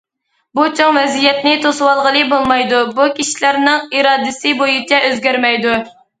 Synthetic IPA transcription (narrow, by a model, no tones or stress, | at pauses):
but͡ʃʰoŋvɛzijɛt̪nɪt̪ʰosuwɑlˠʁəlˠɨbolˠmɑjd̪ubukʲʰiʃi̥læɾnɪŋiɾɑːd̪ɨsɪbojut͡ʃʰɛʔøzɡʲæɾmɛjd̪u